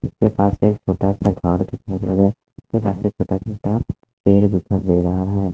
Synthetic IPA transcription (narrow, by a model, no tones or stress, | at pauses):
ʊskepaːseːkt͡ʃʰoːʈaɛsaɡʱɔɾt̪ikʰoɾoɡɛː | kepaːset͡ʃʰoːʈat͡ʃʰoːʈa | peːɽbʊpʰəɾd̪eːɾɐɦaɦɛː